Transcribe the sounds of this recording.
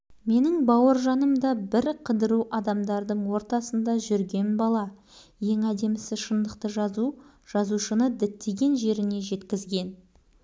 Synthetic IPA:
me̞nɪŋbɑwəɾʒɑnəmd̪ɑbɪɾqʰəd̪əɾuʔɑd̪ɑmd̪ɑɾd̪əɴwo̞ɾt̪ɑsənd̪ɑʒʏɾɡʲe̞nbɑlˠɑ | je̞ŋæd̪e̞mɪsɪʃənd̪əqt̪əʒu | ʒ̥ɑzuʃənəd̪ɪt̪ʰːeɡʲe̞nʒe̞ɾɪne̞ʒe̞t̪kʲɪzɡʲe̞n

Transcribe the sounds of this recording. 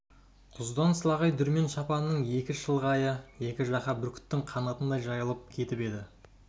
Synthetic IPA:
qʰʊzd̪ɑnslˠɑʁɑjd̪ʏɾme̞nʃɑpɑnnːəɴje̞kʲɪʃəlˠʁɑːjəje̞kʲɪʒɑqɑbʏɾkʲʰɪ̥t̪ːɪŋqʰɑnɑt̪ənd̪ɑjʒɑjəlˠəp̚kʲʰe̞t̪ɪpe̞d̪ɪ

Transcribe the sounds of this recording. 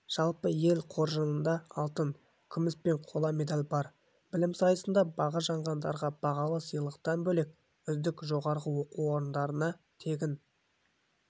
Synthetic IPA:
ʒ̥ɑlˠpəje̞lqʰo̞ɾʒənənd̪ɑɑlˠt̪ən | kʲʰʏmɪspe̞ɴqʰo̞lˠɑme̞d̪alʲbɑɾ | b̥ɪlɪmsɑjəsənd̪ɑbɑʁɑʒɑɴʁɑnd̪ɑ̰ɾʁɑb̥ɑʁɑlˠəsəjlˠəqt̪ɑnbɵlek̚ | ʏzd̪ɪkʒo̞ʁɑɾʁəwo̞quwo̞ɾənd̪ɑɾənɑ | t̪ʰe̞ɡʲɪn

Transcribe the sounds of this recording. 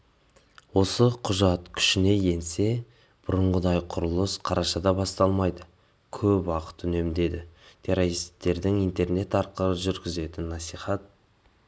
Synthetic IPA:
wo̞səqʰʊʒɑt̪kʲʰʏ̥ʃɪne̞je̞nse̞ | b̥ʊɾʊɴʁəd̪ɑjqʰʊɾʊlˠəsqʰɑɾʔɑʃɑd̪ɑbɑst̪ɑlˠmɑjd̪ə | kʲʰɵpwɑqə̥t̪ʏne̞md̪e̞d̪ɪt̪ʰe̞ɾo̞ɾist̪ːe̞ɾd̪ɪŋijnt̪e̞ɾne̞t̪ɑɾqəlˠəʒʏɾɡʲɪze̞t̪ɪnːɑsijχɑt̪̚

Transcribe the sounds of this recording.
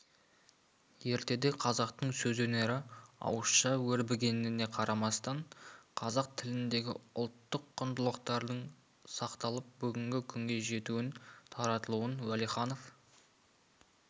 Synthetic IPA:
je̞ɾt̪e̞d̪e̞qʰɑzɑqt̪əɴsɵzɵne̞ɾɪɑ̰wəsʃɑwɵɾbɪɡʲe̞nɪɪne̞qʰɑɾɑmɑst̪ɑɴqʰɑzɑq̚t̪ʰɪlɪnd̪e̞ɡʲɪ̰ʊlˠt̪ːəqʰːʊnd̪əlˠəqt̪ɑɾd̪əɴ | sɑqt̪ɑlˠəp̚bʏɡʲɪŋɡʲɪkʲʰʏŋɡʲe̞ʒe̞t̪uwɪnt̪ʰɑɾɑt̪əlˠuwənwælijχɑno̞f

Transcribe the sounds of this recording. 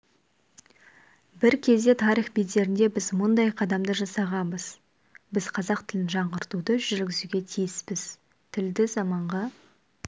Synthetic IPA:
bɪɾkʲʰe̞zd̪e̞t̪ʰɑɾiχbejt̪e̞ɾɪnd̪e̞bɪzmʊnd̪ɑjqʰɑd̪ɑmd̪əʒɑsɑʁɑnbəz̥ | bɪz̥qʰɑzɑqt̪ʰɪlɪnʒɑɴʁəɾt̪ud̪əʒʏɾɡʲɪzuɡʲe̞t̪ʰijɪspɪz | t̪ʰɪld̪ɪzɑmɑɴʁɑ

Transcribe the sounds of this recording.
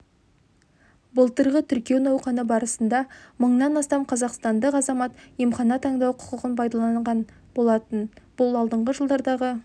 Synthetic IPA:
bəlˠt̪əɾʁət̪ʰʏɾkʲienɑwqɑnəbɑɾəsənd̪ɑməɴnɑnɑst̪ɑmqʰɑzɑqst̪ɑnd̪əqɑzɑmɑt̪jemχɑnɑt̪ʰɑɴd̪ɑwqʰʊ̥qəʁənpʰɑjd̪ɑlˠɑɴʁɑn | bo̞lˠɑt̪ənb̥ʊlˠɑlˠd̪əɴʁəʒəlˠd̪ɑɾd̪ɑʁə

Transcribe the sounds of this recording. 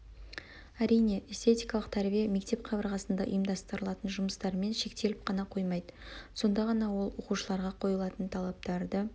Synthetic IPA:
æɾijne̞ʔest̪e̞t̪ijkɑlˠəqt̪ʰæɾbijeme̞kt̪e̞pqʰɑbəɾʁɑsənd̪ɑ̰ʔḭjəmd̪ɑst̪əɾəlˠɑt̪ənʒʊməst̪ɑɾme̞nʃe̞k̚t̪e̞lɪpqʰɑnɑqʰo̞jmɑjd̪əso̞nd̪ɑʁɑnɑwo̞lˠwo̞quʃəlˠɑɾʁɑqʰo̞jəlˠɑt̪ənt̪ʰɑlˠɑp̚t̪ɑɾd̪ə

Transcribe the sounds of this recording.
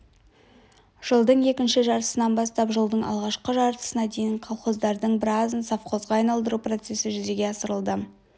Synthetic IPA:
ʒ̥əlˠd̪əɴe̞kʲɪnʃɪʒɑɾt̪ə̥sənɑnbɑst̪ɑpʒəlˠd̪əɴʔɑ̰lˠʁɑʃqəʒɑɾt̪ə̥sənɑd̪e̞jɪɴqʰɑlˠχozd̪ɑɾd̪əɴbɪɾɑzənsɑfqʰo̞zʁɑːɑjnɑlˠd̪əɾupro̞t̪se̞sɪʒʏze̞ɡʲe̞ɑsəɾəlˠd̪ə

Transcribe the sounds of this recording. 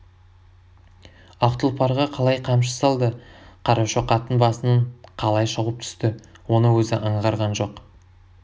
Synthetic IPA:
ɑqt̪əlˠpʰɑɾʁɑqʰɑlˠɑjqʰɑmʃ̬ə̥sɑlˠd̪əqʰɑɾɑʃəqʰɑt̪ənbɑsənəɴqʰɑlˠɑjʃəʁəp̚t̪ʰʏ̥st̪ɪ | wo̞nəwɵzɪʔɑɴʁɑɾʁɑnʒo̞q

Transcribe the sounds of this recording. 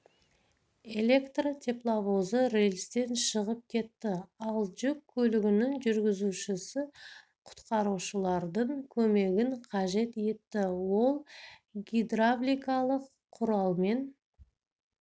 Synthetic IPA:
e̞lʲe̞kt̪rot̪ʲʰe̞plˠavozəɾelʲst̪e̞nʃəʁəp̚kʲʰe̞t̪ːɪɑlˠʒʏkʲʰːɵlɪɡʲɪnɪŋʒʏɾɡʲɪzuʃɪsɪ | qʰʊ̥t̪qɑɾuʃəlˠɑɾd̪əɴkʲʰɵme̞ɡʲɪŋqʰɑʒe̞t̪e̞t̪ːɪwo̞lˠɡʲid̪rablʲijkɑlˠəqʰːʊɾɑlˠme̞n

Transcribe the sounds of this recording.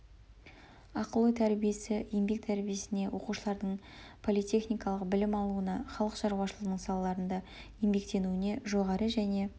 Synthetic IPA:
ɑqəlˠəjt̪ʰæɾbije̞sɪjembe̞k̚t̪ʰæɾbije̞sɪne̞wo̞quʃəlˠɑɾd̪əɴ | pʰo̞lˠit̪ʲʰe̞χnijkɑlˠəqbɪlɪmɑlˠuənɑχɑlˠəqʃɑɾuwɑʃəlˠəʁnəɴsɑlˠɑlˠɑɾənd̪ɑ | je̞mbe̞k̚t̪e̞nuɪne̞ʒo̞ʁɑɾəʒæne̞

